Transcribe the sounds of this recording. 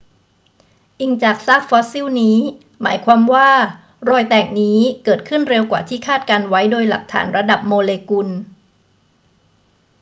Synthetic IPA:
ʔi˨˩ŋt͡ɕaː˨˩k̚sa˦˥k̚fɔː˦˥siː˥˩wniː˦˥ | ma̰ː˩˦jkʰwaː˧mwaː˥˩ | ɾɔː˧jt̪ɛː˨˩k̚niː˦˥kɤː˨˩t̪̚kʰɯ˥˩nɾe˧wkwa̰ː˨˩t̪ʰiː˥˩kʰaː˥˩t̪̚kaː˧nwa˦˥jdoː˧jla̰˨˩k̚t̪ʰa̰ː˩˦nɾa˧da˨˩p̚moː˧leː˧ku˧n

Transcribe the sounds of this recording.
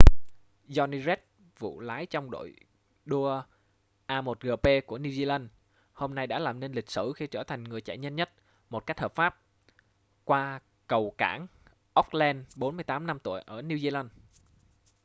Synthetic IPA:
zɔ˧ni˧zɛ˦˥t̚ | vṵ˧˨laː˨˦jt͡ɕɔ˧wŋ͡mɗo̰˧˨j | ɗu˧ə | ʔaː˧mo˨˩t̚ɣəː˨˩pe˧ku˧˩əni˧wzi˧la˧n | ho˧mna˧jɗa̰ː˧˥laː˨˩mne˧nlï˨˩k̟̚sɨ˧˩xi˧t͡ɕəː˧˩t̪ʰa˨˩jŋ̟ŋɨ˨˩əjt͡ɕa̰˧˩jɲə˧nɲə˦˥t̚ | mo˨˩t̚ka˦˥k̚həː˨˩pfaː˦˥p̚ | kwaː˧ | kə˨˩wkaː˧˩ŋ | ʔə˦˥k͡p̚lɛ˧nɓo˨˦nmɨ˧əjt̪aː˨˦mna˧mt̪u˧˩əjʔəː˧˩ni˧wzi˧la˧n

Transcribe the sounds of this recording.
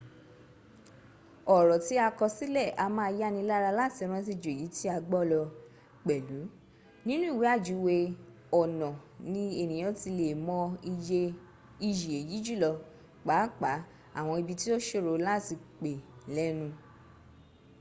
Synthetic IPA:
ɔ˨ɾɔ˨ti˦a˧kɔ˧si˦lɛ˦˨ʔa˧mãː˦˧˦ja˦nĩ˧˦la˦ɾa˧la˦ti˨˧ɔ˧ɾ̃ã˦t̬i˧˨d͡ʒo˨e˨ji˨˦ti˦a˧ɡ͡bɔ˦lɔ˧ | k͡pɛ˨lu˨˦ | nĩ˦nũ˦i˦˨wi˨˦a˦˨d͡ʒu˨˦we˧ | ɔ˨nɔ̃˨nĩ˧e˨nĩ˨j̃ɔ̃˨˦ti˧le˨mɔ̃˧ | i˧ji˨e˨ji˨˦d͡ʒu˦˨lɔ˧ | k͡pa˨˦k͡pa˨˦ | a̰˦˨w̃ɔ̃˧i˧bi˧ti˦o˦ʃe˦˨ɾo˧la˦ti˧k͡pe˨lɛ˦nũ˧

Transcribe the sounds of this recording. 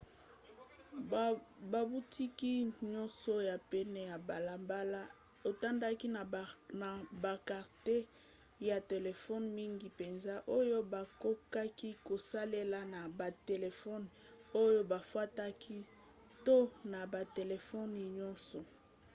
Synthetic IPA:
ba˨bu˦tʰi˦ki˦ɲɔ˦nsɔ˦ja˨pɛ˦nɛ˦ja˨ba˨la˨mba˦la˦ | o˨ta˦nda˦ki˦˨na˨ba˨ka˨ʁte˦ | ja˨te˨le˨fɔ˦nmi˦ŋɡi˨pe˨nza˦ʔo˦jo˦ba˨ko˦ka˦ki˦ko˨sa˦le˦la˦na˨ba˨te˨le˨fɔ˦n˨o˦jo˦ba˨fwa˦ta˦kʰi˦ | to˦na˨ba˨te˨le˨fɔ˦ni˨ɲɔ˦nsɔ˨

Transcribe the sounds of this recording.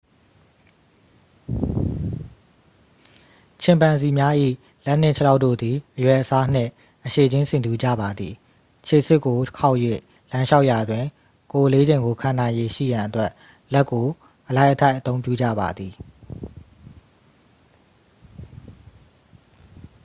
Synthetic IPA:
t͡ɕʰɪ̃˨mpã˨nzi˨mja˦ʔḭ˦˨ | lɛ˦ʔn̥ɪ̃˦˨t͡ɕʰə˦la˦ʊʔtːo̰˦˨d̪i˨ʔəjwɛ˨ʔəsa˦n̥ɪ̰̃˦˨ | ʔəʃe˨d͡ʑɪ̃˦nsɪ̃˨nd̪u˨d͡ʑa̰˦˨ba˨d̪ði˨ | t͡ɕʰe˨sɪ˦˨kːo˨kʰa˦ʊʔjwḛ˦˨ | lã˦ʃa˦ʊʔja˨dwɪ̃˨ | ko˨ʔle˦d͡ʑẽ˨ɪ̃ŋɡo˨kʰã˨nã˨ɪ̃je˨ʃḭ˦˨jã˨ʔətwɛ˦ʔ | lɛ˦kːo˨ | ʔəla˦ɪʔətʰa˦ɪʔət̪õ˦ʊ̃mpjṵ˦˨d͡ʑä̰˦˨ba̰˨d̪ði˨

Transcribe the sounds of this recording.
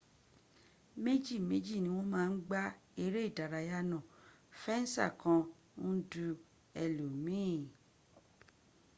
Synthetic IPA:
me˦d͡ʒi˦˨me˦d͡ʒi˦˨nĩ˧˦w̃ɔ̃˦mãː˦˧n̩˦ɡ͡ba˦e˦ɾe˦i˦˨da˨ɾa˨ja˦nã˨ | fɛ˦n̩˦sa̰˦˨kã˧ | n̩˦du˧˦ | ɛ˨lo˨mĩ˦˨

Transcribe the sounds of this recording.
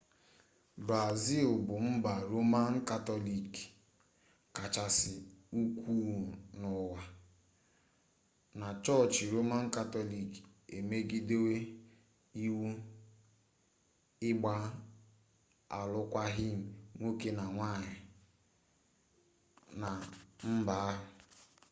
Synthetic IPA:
bɾa˨zi˦˨lbʊ˨m̩˦ba˨ɾo˦ma˦n̩˦ka˦tɔ˦li˨k | ka˨t͡ʃa˨sɪ˨u˦kʷuː˦nʊ˨wa˨ | na˨t͡ʃɔ˦˨t͡ʃɪ˨ɾo˦ma˦n̩˦ka˦tɔ˦li˨k | e˨me˦ɡi˦de˦we˦ | i˦wu˦ | ɪ˦ɡ͡ba˦ | a̰˨lʊ˦kʷa˦ɦi˦m̩˨ŋʷo˦ke˦na˨ŋʷa˦˨ɲɪ˨ | na˨m̩˦ba˨a˦ɦʊ˨

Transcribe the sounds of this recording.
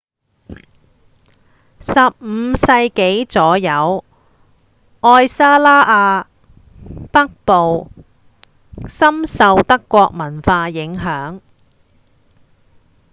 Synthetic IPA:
sɐ˨p̚m̩˨˧˥sɐ˧jke˨˥jt͡sɔː˨˥jɐ˨˧w | ɔː˧jsaː˥laː˥ʔaː˧ | pɐ˥k̚po˨w | sɐ˥msɐ˨˧wt̪ɐ˥kːʷɔː˧k̚mɐ˨˩nfaː˧jɪ˨˥ŋɦœː˨˥ŋ

